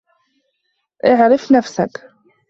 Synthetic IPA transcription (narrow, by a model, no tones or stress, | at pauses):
ʔɪʕɾɪfnafsa̰k